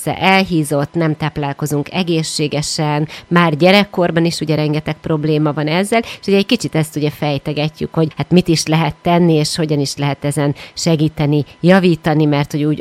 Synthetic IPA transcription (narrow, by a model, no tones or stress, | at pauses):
ɛ̰ʔɛlɦiːzo̞t̪nɛmt̪aːplaːlko̞zuŋkɛɡeːʃːeːɡɛʃɛnmaːrɟɛɾɛkːo̞rbɒniʃuɟɛɾɛŋɡɛt̪ɛk̚pro̞bleːmɒvɒnɛzːɛleʃhoɟɛckit͡ʃit̪ɛst̪uɟɛfɛjt̪ɛɡɛcːy̰kho̞ɟhat̪mit̪iʃlɛɦɛt̪ːɛnːieːʃho̞ɟɒniʃlɛɦɛt̪ɛzɛnʃɛɡiːt̪ɛnijɒviːt̪ɒnimɛrt̪ho̞ɟuːɟ